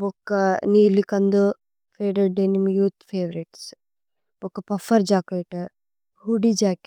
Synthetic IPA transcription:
bokːɐniːlikɐnd̪u | pʰeːɾeʈɖenimjuːt̪pʰeːʋɐɾiʈs | bokːɐpɐfɐɾd͡ʒaːkɐʈ | huɖid͡ʒaːk

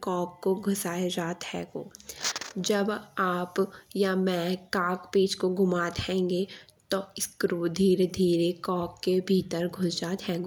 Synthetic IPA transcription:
kɔːkːoɡʱʊsaːjed͡ʒaːt̪hɛːɡoː | d͡ʒɐbaːpjamɛ̃ːkaːkpeːt͡ʃkoɡʱʊmaːt̪ɦɛ̃ːŋɡe | t̪oɪskɾud̪ʱiːɾed̪ʱiːɾekɔːkːebʱiːt̪əɾɡʱʊsd͡ʒaːt̪ɦɛːɡo

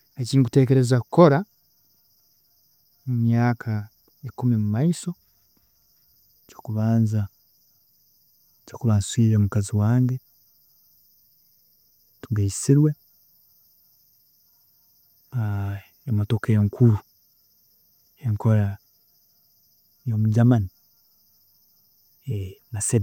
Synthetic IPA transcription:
eciːŋkute̞ːke̞ɾe̞zakuko̞ɾa | mumjaːkʰa | ikumiimumaiso̞ | cokuβaːnza | cokuβaːnswiːɾemukaziwaːŋɡe | tuɡaisiɾwe̞ | emotokajeŋkʰuɾu | eŋkoɾa | jomuɟamani | enase

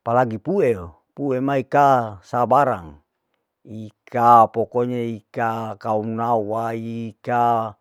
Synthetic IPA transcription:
palaɡipueo | puemaikasabaɾa̰ŋ | ikʰapokoɲeikakaumnawaika

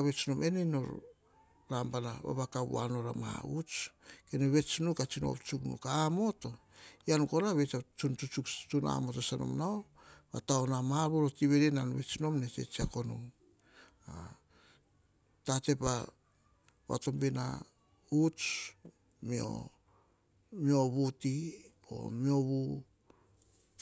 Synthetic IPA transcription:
aβe̞t͡ʃinomʔe̞nenoɾ | ɾambanaβa̰βakaβṵa̰no̞ɾamaa̰ut͡ʃkenoβe̞t͡ʃnukat͡ʃino̰pt͡ʃuknṵkaːmo̞to̞ | janko̞ɾaβet͡ʃat͡ʃunt͡ʃut͡ʃukt͡ʃuna̰mo̞tosano̰mnao | βa̰taonamaaβuɾotiβe̞ɾenanβe̞t͡ʃino̞mnet͡ʃe̞̰t͡ʃiakono̰m | a̰ | tate̞pa | βa̰to̞mbena̰ | ut͡ʃ | mio̰ | mio̞βuti | o̞̰mio̞βu

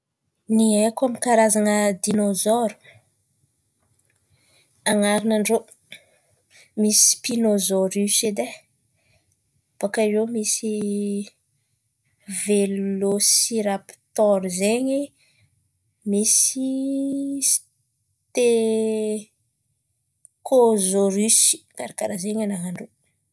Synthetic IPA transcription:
niekamikaɾazaŋəd̪inozɔɾu̥ | aŋaɾinaɳɖ͡ʐo | misi̥pinozɔɾised̪e | b̥akaiɾewmisi | velosiɾapi̥t̪ɔɾizeɲi | misi | s | t̪e | kʰozoɾysi̥ɡ̥aɾakaɾazeɲanaɦaɳɖ͡ʐo

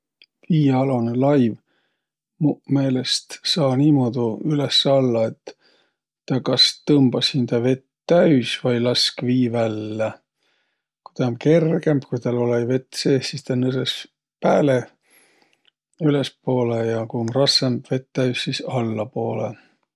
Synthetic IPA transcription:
viːɑlonelɑjv | mume̞ːle̞st̪sɑːniːmod̪̥uylesːɑlːɑe̞t̪ː | ɑkɑst̪ɤmbɑsind̪̥ɑve̞t̪ːæɥsvɑjlɑskviːvælːe | kujt̪ɑonke̞rɡ̥e̞mb̥kujt̪ɑlolɑjve̞t̪ːˑse̞ːsist̪ɑnyses | pæːle | yle̞spo̞ːlejɑkujonrɑsemb̥ve̞t̪ːæɥssisɑlːɑpo̞ːlḛ

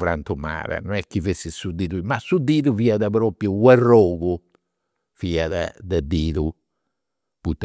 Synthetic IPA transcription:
vɾant̪uma̰ːɾɛ̰nɔnɛkːivesːisud̪iːðumasud̪iːðuviːaðabɾoːpjuwɛrːoːɣu | viːaðɛ̰d̪ɛd̪iːðu | put̪ː

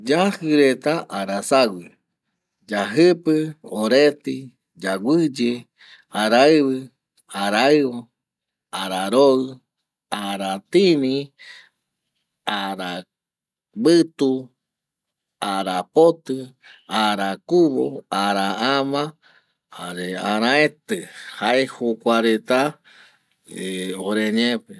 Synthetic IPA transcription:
d͡ʒahɨɾet̪aʔaɾasaɡʷi | d͡ʒaɦɨpɨoɾet̪i | d͡ʒaɡʷɨd͡ʒe | aɾaɨβɨ | aɾaɨβo | aɾaɾoɨ | aɾat̪inĩ | aɾa | bɨt̪u | aɾapot̪ɨaɾakuβo̰aɾaamã | aɾeãɾãẽt̪ɨhaehokʷaɾet̪a | eoɾeɲẽpe

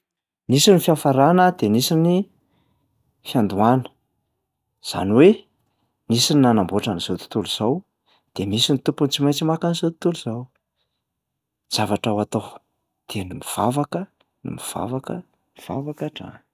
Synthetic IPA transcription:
nisinifiafaɾanəd̪enisini | fiand̪uanə̥ | z̥a̰niwe | nisininanamboʈ͡ʂaniz̥ot̪u̥t̪uluz̥aw | d̪̥emisinit̪upunt͡simajt͡simakanizot̪u̥t̪uluz̥aw | z̥avaʈ͡ʂawat̪o | d̪̥enimiv̥a̰vakə | nḭmiv̥a̰vakə | miv̥a̰vakaʈ͡ʂa̰

